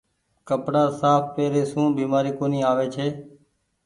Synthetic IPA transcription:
kəpɽaːsaːppeːɾeːsũːbiːmaːɾiːkoːniːaːʋeːt͡ʃʰeː

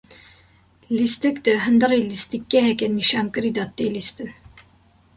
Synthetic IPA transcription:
list̪ɨkd̪ɨɦɨnd̪ɨriːlist̪ikːɛɦɛkɛniʃɑːmkɨɾid̪ɑt̪eːlist̪ɨn

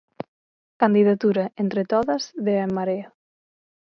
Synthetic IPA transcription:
kand̪iðat̪uɾɐʔent̪ɾet̪oðɐzðeɛmːaɾea

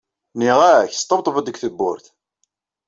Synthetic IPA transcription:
niʁaçst̪ˤːəmt̪ˤvəd̪əɡθəbːʊ̰ɾθ

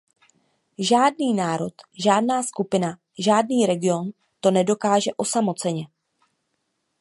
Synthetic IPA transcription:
ʒaːdniːnaːɾo̞t̪ʒaːd̚naːskupɪna | ʒaːd̚niːɾɛɡɪo̞n | t̪o̞nɛdo̞kaːʒɛʔo̞samo̞t͡sɛɲɛ

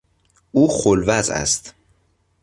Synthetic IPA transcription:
uːxolvæzæ̰st̪

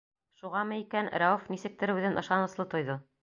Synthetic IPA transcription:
ʃuʁɑmɤikænɾaofnisɘ̆k̚t̪ɘ̆ɾɘʉðɘnɤ̆ʃɑnɤ̆slˠɤt̪ŏjðɤ

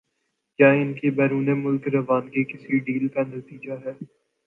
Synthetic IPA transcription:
kjaːɪnkebɛːɾuːnemʊlkɾɐʋaːnkekɪsiɖiːlkanɐt̪iːd͡ʒaɦɛː

